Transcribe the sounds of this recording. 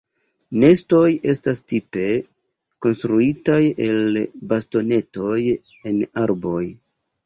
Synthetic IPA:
ne̞sto̞je̞stastipe̞ | ko̞nstɾuitajelbasto̞ne̞to̞j | e̞naɾbo̞j

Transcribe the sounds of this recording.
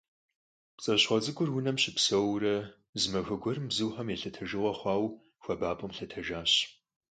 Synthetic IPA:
pt͡sʼɐɕχɐd͡zɨɡʷʊrwʊnɐmɕɪpsɐwrɐ | zɨmɐxʷɐɡʷɔrɨmbzɨwħɐmjeɬɐtʰɐʒɨʁɐχʷɑːw | xʷɐbaːpʼɐmɬɐtʰɐʒaːɕ

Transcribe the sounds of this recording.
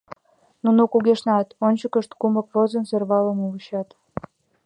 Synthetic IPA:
nunokuɣeʃnɑt̪onʲt͡ɕəkəʃt̪kumə̆kβozə̆nserβɑləmuɣəɕɑt̪

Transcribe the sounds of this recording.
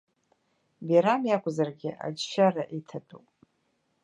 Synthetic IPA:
bjaɾamjakʷʼzarɡʲɪʔa̰d͡ʒʃaraʔitʰatʼupʼ

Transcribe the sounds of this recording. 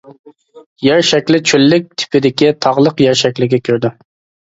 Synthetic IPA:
jæɾʃɛkʲlɪt͡ʃʰølːɪk̚ʲt̪ʰɪ̥pʰɪd̪ɪkʲit̪ʰɑʁlˠəqjɛɾʃɛkʲlɪɡʲɛkʲʰøɾd̪ɪ

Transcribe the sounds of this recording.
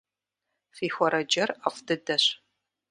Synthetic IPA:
fiːxʷɔɾɐd͡ʒɐrafdɨdɐɕ

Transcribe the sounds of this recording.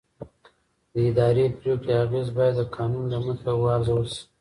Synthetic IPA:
d̪əɪd̪ɑɾepɾjokeaɣezbɑjad̪ːəkʰɑnunlaməxawɑɾzawəlsi̥

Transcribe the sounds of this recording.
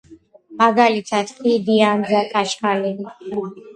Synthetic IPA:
maɡalitʰaskʼid̪iãnd͡ʒakʼaʃkalɛ

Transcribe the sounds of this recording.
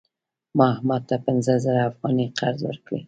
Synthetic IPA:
mɑhmɑd̪̚t̪ːapɪnzəzəɾaːfɣɑniqʰaɾzwə̰ɾkɽḭ

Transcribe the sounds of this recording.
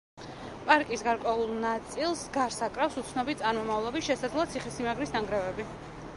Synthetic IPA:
pʼaɾkʼisɡaɾkʼwɛulˠnat̪sʼilˠsɡaɾsakʼɾafsut̪sʰnɔbit̪t̪sʼaɾmɔmavlˠɔbisʃɛsad̪lˠɔat̪sʰiχɛsimaɡɾisnaŋɡɾɛvɛbi

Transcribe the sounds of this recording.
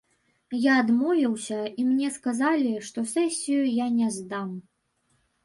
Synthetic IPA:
jaːd̪mɔvʲiwsʲɐimnʲɛskazalʲiʂt̪ɔsɛsʲijujanʲɛzd̪am

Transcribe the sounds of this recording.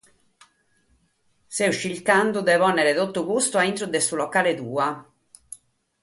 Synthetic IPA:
sɛuʃːilkand̪ud̪ɛvɔnːɛɾet̪ot̪ːukust̪ʊaint̪ɾud̪esulɔkːaːlet̪uːa

